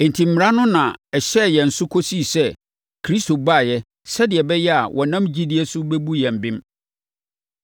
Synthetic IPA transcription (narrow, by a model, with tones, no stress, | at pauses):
e˨n˨tʰĩ˨m̩˨mɪ̃˨ɾa˦nʊ̃˦nã˨ɛ˨ɕɛ˦˨jɛ˨n̩˨sʊ˦kʰo˦si˦˨sɛ˦ | kʰɾi˦sto˨ba˦˨jɛ˦ | sɛ˦dɪ˨ɛ˨bɛ˦jɛ˦a˨wʔɔ˨nã˦md͡ʑi˦di˦ɛ˦sʊ˦bɛ˦bu˦jɛ̃˨m̩˨bɪ̃˦m